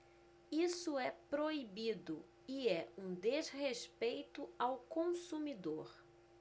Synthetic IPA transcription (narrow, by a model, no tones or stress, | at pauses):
isʊɛpɾoibid̪ʊ̰ | iɛũd̪ezhespejt̪ʊawkõsumid̪oɾ